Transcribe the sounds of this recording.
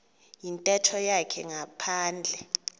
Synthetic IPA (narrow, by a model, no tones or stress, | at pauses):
jintʼɛtʰɔjakʰɛŋapʰaːnd͡ɮʱɛ